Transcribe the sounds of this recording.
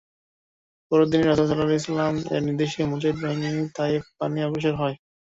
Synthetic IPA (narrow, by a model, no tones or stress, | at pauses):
pɔɾod̪ineɾasasɔlalejs̬alamḛɾniɾd̪eʃemut͡ɕaid̪̚baɦinit̪aipaniɔboʃ̬eɾɦɔe